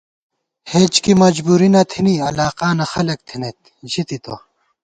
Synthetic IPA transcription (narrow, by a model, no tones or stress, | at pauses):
heːd͡ʑkimɐd͡ʑbuːɾinɐt̪ʰiniɐlaːqaːnɐxɐlɐk̚t̪ʰinet̪̚ | ʑit̪it̪o̰